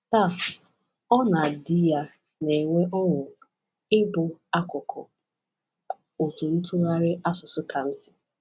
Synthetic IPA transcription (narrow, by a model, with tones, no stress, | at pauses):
ta˦˨ | ɔ˦na˨dɪ˦ja˦ | ne˨ŋʷe˦ʔɔ˦ŋʷʊ˨ | ɪ˦bʊ˨a˦kʊ˨kʰɔ̰˨ | o˨tʊ˨n̩˦tʊ˦ɣa˦ɾɪ˦ʔa˦sʊ˨sʊ˦ka˨m̩˦sɪ̥˨